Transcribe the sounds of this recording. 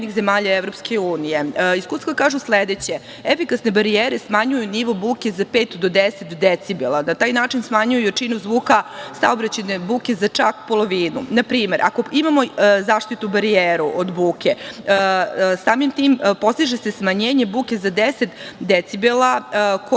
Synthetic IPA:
nixze̞maːʎaeʋɾo̞pske̞uːnije̞iskust̪ʋakaːʒusled̪et͡ɕe̞ | efikasne̞baɾieːɾesmaɲujuniʋobuːkʲe̞zapeːt̪d̪od̪eset̪d̪et̪sibelˠanat̪aːjnaːt͡ʃinsmaɲujujet͡ʂinuzʋuːkasa̰o̞bɾat͡ɕene̞buːke̞zat͡ʂa̰kpo̞lˠo̞ʋiːnṵnapɾiːme̞ɾʔa̰ko̞imamo̞zaːʂt̪it̪ubaɾieːɾuʔod̪buːkʲe̞ | saːmimt̪iːmpo̞st̪iʒese̞smaɲeːɲebuːkʲe̞zad̪eset̪d̪et̪sibelako

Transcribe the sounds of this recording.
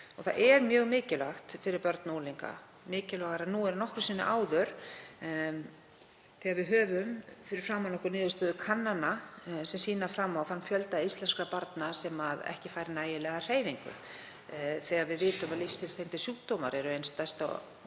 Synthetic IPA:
ɔθaʔɛɾmjœːɣmɪːcɪlaxt̪fɪɾɪɾpœɾt̪noːliŋka̰ | mɪːcɪlɔːɣaɾaðnuɛɾnɔhkɾʏ̥siːnːʏ̰ʔaːwðœɾ̥ | θɛːɣaɾvɪðɦœːvʏmfɪɾɪɾ̥fɾaːmːawnɔhkʏɾnɪːðʏst̪œːðʏkʰanːanasɛmsiːnafɾamːawθanːfjœlt̪aist̪lɛnskɾapaɾt̪nasɛmaðɛ̰hcɪfaːjɾɪnaːjɪlɛːɣar̥eːjviŋkʏ̰ | θɛɣaðvɪðvɪːt̪ʏmaðlifst̪ʰɪlst̪ejnt̪ɪ̥sjuːkt̪oma̰ɾɛɾʏejnst̪ajst̪a̰

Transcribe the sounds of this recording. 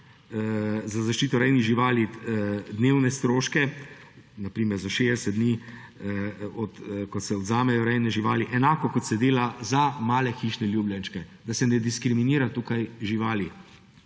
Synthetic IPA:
zazaʃt͡ʃiːt̪ɔɾɛjniɣʒiʋaːlid̪neːwnɛst̪ɾoːʃkɛ | napɾiːmɛɾzaʃed̪ɛsɛd̪̚d̪ni | ɔt̪kɔsɛɔd̪zaːmɛjɔɾɛjnɛʒiʋaːliʔɛnaːkɔkɔt̪sɛd̪eːlazamaːlɛxiːʃnɛljuːbljanʃkɛd̪asɛnɛd̪iskɾiminiːɾat̪uːkajʒiʋaːli

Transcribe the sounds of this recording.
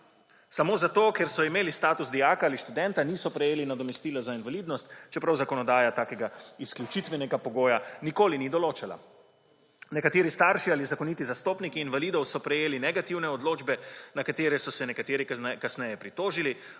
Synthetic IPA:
samoːzat̪oːkɛɾsɔimeːlist̪aːt̪usd̪ijaːkaaːliʃt̪ud̪ɛnt̪aniːsɔpɾɛjeːlinad̪ɔmɛst̪iːlazainvaliːd̪nɔst̪t͡ʃɛpɾawzakɔnɔd̪aːjat̪aːkɛɡaiskljut͡ʃit̪ʋɛnɛɡapɔɡoːjanikoːlinid̪ɔloːt͡ʃala̰ | nɛkat̪eːɾist̪aɾʃializakɔnit̪izast̪oːpnikiːnvaliːd̪ɔwsɔpɾɛjeːlinɛɡat̪iwnɛɔd̪loːd͡ʒbɛnakat̪eːɾɛsɔsɛnɛkat̪eːɾikasnɛjɛpɾit̪oːʒili

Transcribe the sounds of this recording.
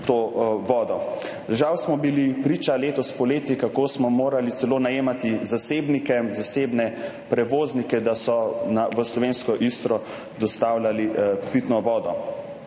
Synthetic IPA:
t̪oʋɔːd̪ɔ | ʒawsmɔbilipɾiːt͡ʃaleːt̪ɔspɔleːt̪jikakoːsmɔmoːɾalit̪sɛloːnajeːmat̪izaseːbnikɛzaseːbnɛ | pɾɛʋoːznikɛd̪asɔnaʋəslɔʋeːnskɔʔist̪ɾɔ | d̪ɔst̪aːwlʲalipit̪nɔʋɔːd̪ɔ

